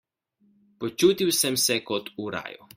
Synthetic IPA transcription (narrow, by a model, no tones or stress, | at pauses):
pɔt͡ʃuːt̪iwsɛmsɛkɔt̪uɾa̰ːjṵ